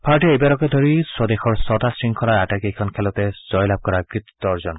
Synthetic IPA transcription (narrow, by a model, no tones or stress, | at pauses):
pʰaɹʈeejbaɾɔked̪ʱɔɾisɔd̪exɔɹsɔt̪asɹiŋkʰɔlaɾaʈakikʰɔnkʰelɔt̪ezɔjlab̚kɔɾakɹit̪i̥t̪ɔɾd͡ʒɔn